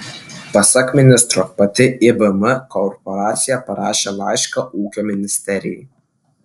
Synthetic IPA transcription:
pɐsɐkmʲɪnʲɪst̪ɾoːpɐt̪ʲɪʔɪbɐmɐkɔɾpɔɾɑːt̪sʲɪjɛpɐɾɑːʃʲeːlˠɑɪʃkɐʔuːkʲoːmʲɪnʲɪsʲt̪ʲɛɾʲɪ̰jɛɪ

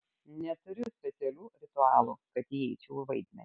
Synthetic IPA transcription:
nʲɛt̪ʊɾʲʊsʲpʲɛt̪sʲɛlʲuːɾʲɪt̪ʊɑːlˠuːkɐt̪jɛɪt͡ʃʲɛʊʋɐɪd̪ʲmʲɛ̰nʲ

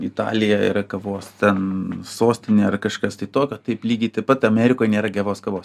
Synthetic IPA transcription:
ɪt̪ɑ̰ːlʲɪjɛɪ̰ɾɐkɐʋoːst̪ʲɛnsoːsʲt̪ʲɪnʲeːɐrkɐʃkɐst̪ɐɪt̪oːkʲoːt̪ɐɪplʲiːɡʲɪt̪ɐɪpɐt̪ɐmʲɛːɾʲɪkoːjnʲeːɾɐɡʲɛːʋoːskɐʋoːs

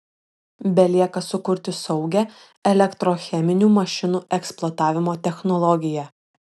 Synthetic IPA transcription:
bʲɛlʲiɛkɐsʊkʊɾʲt̪ʲɪsɒʊɡʲɛ | ɛlʲɛkt̪ɾoːxʲɛmʲɪnʲuːmɐʃʲɪnuːʔɛksplˠɔːt̪ɑːʋʲɪmoːt̪ʲɛxnɔlˠɔɡʲɪjɛ

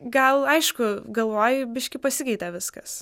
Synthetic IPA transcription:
ɡɐlˠɐɪʃkʊɡɐlˠʋoːjɪbʲɪʃʲkʲɪpɐsʲɪkɛɪt̪ʲæʋʲɪskɐs

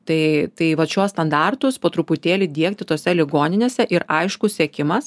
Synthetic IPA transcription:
t̪ɐɪt̪ɐɪʋɐt̪ʃʲuɔst̪ɐnd̪ɑrt̪ʊspoːt̪ɾʊpʊt̪ʲeːlʲɪd̪ʲiɛk̚t̪ʲɪt̪oːsʲɛlʲɪɡoːnʲɪnʲeːsʲɛʔɪɾɐɪʃkʊssʲiɛkʲɪmɐs

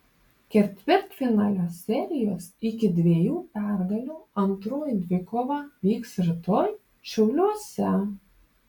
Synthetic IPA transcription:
kʲɛɾʲt̪ʲʋʲɪɾʲt̪ʲfʲɪnɑlʲosʲɛɾʲɪjoːsɪkʲɪd̪ʲʋʲiɛjuːpʲæɾɡɐlʲuːɐnt̪ɾoːjd̪ʲʋʲɪkoːʋɑʋʲiːksɾʲɪt̪oːj | ʃʲɛʊlʲuɔsʲɛ

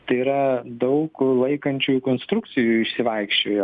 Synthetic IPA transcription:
t̪ɐɪiɾɐd̪ɐʊklˠɐɪkɐnʲt͡ʃʲuːjkoːnst̪ɾʊk̚t͡ssʲɪjuːɪʃsʲɪʋɐɪkʃʲt͡ʃʲoːjo

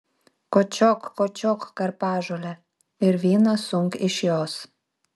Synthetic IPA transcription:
kot͡ɕokːot͡ɕokːɑrpɑʒolʲe | yrβinɑsuŋkiʃios

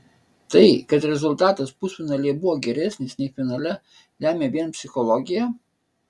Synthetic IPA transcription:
t̪ɐɪkɐt̪ɾʲɛzʊlˠʲt̪ɑːt̪ɐspʊsʲʊnɐlʲeɛbʊʋɔːɡʲɛɾʲæːsʲnʲɪsnʲɛɪfʲɪnɐlʲɛ | lʲæːmʲeːʋʲiɛnpʲsʲɪxɔlˠɔɡʲɪjæ

